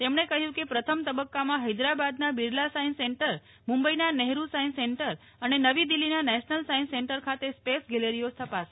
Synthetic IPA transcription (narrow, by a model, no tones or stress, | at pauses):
t̪emɳ̃ekəɦjũkepɾət̪ʰəmt̪əbəkːamãɦəjd̪ɾabad̪nabiɾlasajnseɳʈəɾ | mũmbəinanɛɦɾusajnseɳʈəɾ | ənenəʋid̪ilːinanɛʃnəlsainseɳʈəɾkʰat̪espesɡɛleɾiost̪ʰəpas